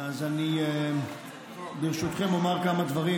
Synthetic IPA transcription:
azani | biʁʃut̪χemomaʁkamad̪vaʁi

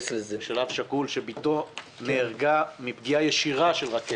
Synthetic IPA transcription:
slezeʃalavʃakulʃebit̪o̞ | neːʁɡamipɡiajeʃiʁaʃe̞lʁake

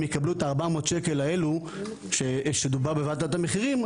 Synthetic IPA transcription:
mjekabluetaːʁbamot̪ʃeke̞lae̞lu | ʃeʃed̪ubaʁbevat̪atameχiʁim

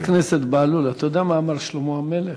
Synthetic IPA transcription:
kneset̪baːlulat̪ajod̪aamaːmaʁʃlomoamele

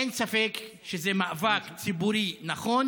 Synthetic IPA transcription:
ensafekʃezemaʔvakt͡sibuɾinaχon

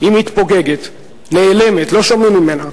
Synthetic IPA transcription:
imit̪poɡe̞ɡet̪ | neːle̞met̪lo̞ʃomimːime̞na

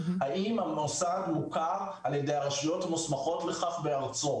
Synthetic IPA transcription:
haimamosadmukaʁ | aljedejaʁaʃijo̞tamusmaχo̞tleχaχbeaʁt͡so

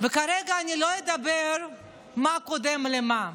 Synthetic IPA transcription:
vekaɾeɡaːnilo̞jed̪abeɾ | makod̪emlema

